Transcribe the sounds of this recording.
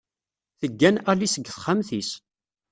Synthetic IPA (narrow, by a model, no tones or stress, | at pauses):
θəɡːænælisəɡːθχamθis